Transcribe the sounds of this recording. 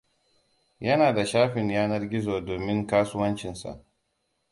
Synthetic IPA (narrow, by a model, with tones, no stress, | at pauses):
jɐ˦naː˨da˨ʃaː˦ɸɪ˨ɲjaː˦nɐ˦rɡʲɪ˦zoː˨doː˨mɪ˦ŋkaː˦sʊ˦wɐ˦nt͡ʃɪ˨nsa̰˨ʔ